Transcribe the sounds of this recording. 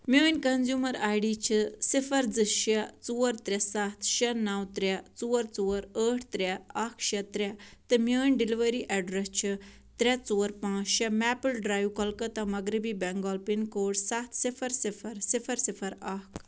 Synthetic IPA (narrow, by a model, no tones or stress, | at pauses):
mʲəːnʲkɐnzjuːmɐɾaːjɖiːt͡ʃʰisifʰɐɾd͡zɨʃɐt͡suːəɾt̪ɾʲɛsat̪ʰʃɐnɐwt̪ɾʲɛt͡suːəɾt͡soːɾəːʈʰt̪ɾʲɛɐkʰʃɐt̪ɾʲɛt̪ɨmjəːnʲɖiliʋəɾiʔɛɖɾɛst͡ʃʰɨ | t̪ɾʲɛt͡soːɾpãːt͡ʃʃɛmɛːpəlɖɾaːjwkɐlkɐt̪ɐmɐɡɾibibɛŋɡɔːlpinkoːʈsɐt̪ʰsifʰɐɾsɪfʰɐɾsɪfʰɐɾsipʰɐɾakʰ